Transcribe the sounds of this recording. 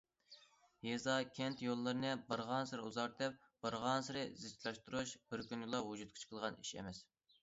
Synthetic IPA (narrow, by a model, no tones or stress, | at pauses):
jezɑkʲʰɛnt̪jolˠːɨɾɨnɨbɨɾʁɑnsɨɾɨuzɑɾd̪ɛp̚ | b̥əɾʁɑnsɨɾɨzɪt͡ʃlˠɑʃt̪uɾuʃb̥ɪɾkʲynjlˠɑɦud͡ʒut̪̚kʰi̥t͡ʃʰqʰəlˠʁɑniʃɛ̰mɛs